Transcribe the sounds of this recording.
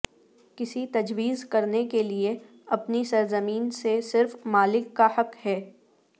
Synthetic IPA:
kɪsit̪ɐd͡ʒwiːzkɐɾnekelie | ɐpnisɐɾzəmiːnsesɪɾfmaːlɪkːahɐkhɛː

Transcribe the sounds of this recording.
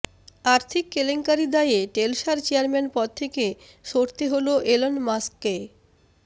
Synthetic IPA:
aɾt̪ʰikːeleŋkaɾid̪ajeʈelʃaɾt͡ɕeaɾmenpɔd̪̚t̪ʰeke | ʃoɾt̪eɦoloʔelonmaskːe

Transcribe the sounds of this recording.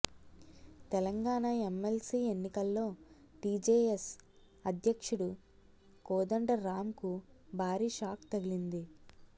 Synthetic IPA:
t̪ɛlɐŋɡaːɳɐemelsiːe̞nːikɐlːo̞ː | ʈiːd͡ʒeːes | ɐd̪ʱjɐkʂuɽu | koːd̪ɐɳɖɐɾaːmkubʱaːɾiːʃaːkt̪ɐɡilind̪i

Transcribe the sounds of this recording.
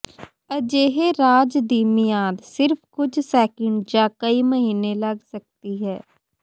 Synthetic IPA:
əd͡ʒeːɦeːɾaːd͡ʒd̪iːmɪjaːd̪sɪɾpʰkʊd͡ʒsɛːkəɳɖd͡ʒãːkəiːməɦiːneːləɡsək̚t̪iːɦɛː

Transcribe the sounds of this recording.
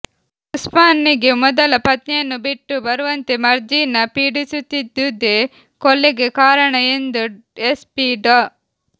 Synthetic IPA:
uspaːnːiɡe̞mɔd̪ɐlɐpɐt̪njɐnːubiʈːubɐɾuʋɐnt̪emɐɾd͡ʒiːnɐpiːɽisut̪ːid̪ud̪ːe | kolːeɡekaːɾɐɳɐend̪u | espiɖɐ

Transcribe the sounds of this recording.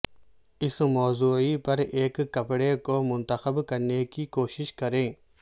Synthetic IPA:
ɪsmɔːzuːipɐɾeːkːɐpɽekomʊnt̪əxəbkɐɾnekikoːʃɪʃkɐɾẽː

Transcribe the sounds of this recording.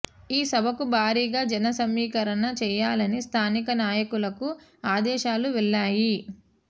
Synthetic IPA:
iːsɐbʱɐkubʱaːɾiːɡaːd͡ʒɐnɐsɐmːiːkɐɾɐnɐt͡ʃɛːjaːlɐnist̪ʰaːnikɐnaːjɐkulɐkuaːd̪ɛːʃaːluʋɛlːaːji

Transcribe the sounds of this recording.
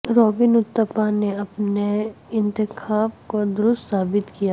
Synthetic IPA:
ɾoːbɪnʊt̪ːəpaneɐpneɪ̃nt̪ɪkʰaːbkod̪ʊɾʊst̪saːbɪt̪kija

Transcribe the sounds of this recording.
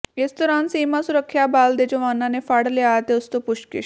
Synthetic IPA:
jet͡st̪ɔɾãnsimasuɾəkʰːjabald̪et͡ɕoʋanːanefaɽ̤leat̪eəst̪opuʂkḭ

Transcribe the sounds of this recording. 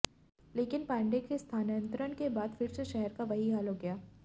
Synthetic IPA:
leːkɪnpɛ̃ːɳɖekest̪ʰaːnjə̃nt̪ɾənkebaːd̪fɪɾseʃɛɦɛɾkaʋɐɦiɦaːlɦoɡɐjaː

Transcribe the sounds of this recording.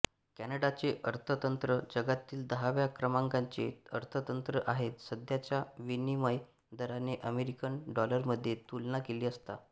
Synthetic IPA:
kænəɽat͡seʔəɾt̪ʰət̪ənt̪ɾəd͡ʑəɡat̪ːiːld̪əɦaʋjakɾəmãŋɡaɲt͡ɕḛəɾt̪ʰət̪ənt̪ɾəʔaɦet̪səd̪ʱjat͡ɕjaʋeniməj | d̪əɾaneʔəmeɾikənɖɔləɾməd̪ʱːjet̪ulnakeliːəst̪a̰

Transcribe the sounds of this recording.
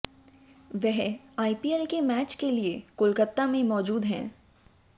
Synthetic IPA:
ʋɛɦaːipiːɛlkemɛːt͡ʃkeliekʊlkət̪ːamẽmɔːd͡ʒuːd̪ɦɛ̰̃ː

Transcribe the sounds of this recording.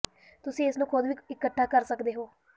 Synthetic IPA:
t̪ʊsĩːɪsnõːkʰʊd̪ʋiːɪkːəʈʰːaːkəɾsəkd̪eːɦoː

